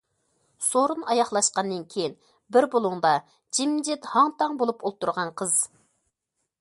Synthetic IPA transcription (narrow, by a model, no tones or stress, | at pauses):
soɾunɑjɑχlˠɑʃqɑnːɨnkʲʰejin | bɪɾbolˠuŋd̪ɑ | d͡ʒimːd͡ʒɪt̪hɑŋt̪ʰɑŋbolˠupʰolˠt̪ʰːuɾʁɑnqʰəz̥